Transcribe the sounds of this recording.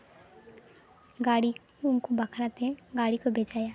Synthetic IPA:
ɡaːɽi | ʊnkobakʰɾat̪ẽɡaːɽikobʱeːd͡ʒaːjaː

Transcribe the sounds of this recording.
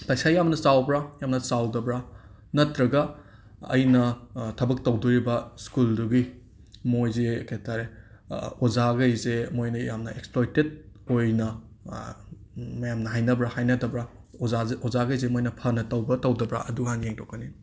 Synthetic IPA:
pajsajamnɐsawbɾajamnɐsawdɐbɾa | nɐtɾɐɡɐ | ɐ̰jnɐtʰɐbɐk̚tɐwduɾibɐskulduɡi | mojzekʰajtʰaɾe | ozaɡɐjzemojnɐjamnɐeksplojtet̚ | ojnɐ | mɐjamnɐɦajnɐbɾahajnɐtɐbɾa | zaɔzaɡɐjzemojnɐpʰɐnɐtɐwbɐtɐwdɐbɾa̰ʔɐduɦanjeŋtʰokɐni

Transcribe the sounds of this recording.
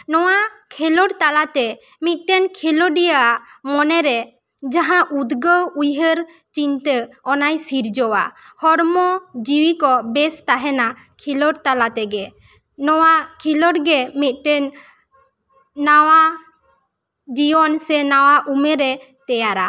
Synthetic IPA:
nɔwakʰɛlɔɽt̪alat̪ɛ | mit̪̚ˀʈɛnkʰilɔɖijamɔnɛɾɛ | d͡ʒaɦãʔud̪ɡəwujɦəɾ | t͡ʃint̪əɔnajsiɾd͡ʒɔwa̰hɔɽmɔd͡ʒiwikɔbɛst̪aɦɛna | kʰilɔɽt̪alat̪ɛɡɛ | nɔwakʰilɔɽɡɛmit̪̚ˀʈɛn | awa | d͡ʒiɔnsɛnawaʔumɛɾɛ | t̪ɛjaɾa

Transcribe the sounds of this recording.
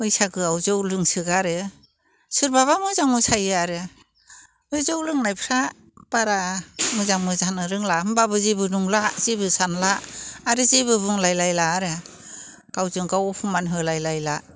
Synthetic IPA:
ɯjsaɡɯawzɔwlɯŋsɯɡaɾɯ | sɯɾbaβamɯzaŋmɯsajɯaɾɯ | ɯjzowlɯŋnajpʰɾa | b̥aɾamɯzaŋmɯzanɯɾɯŋlamɯbabɯzibɯnuŋlazibɯsanlaːɾɯziβɯbuŋlajlajlaːɾɯ | ɡ̥awzɯŋɡawɔpʰumanɦɯlajlajla

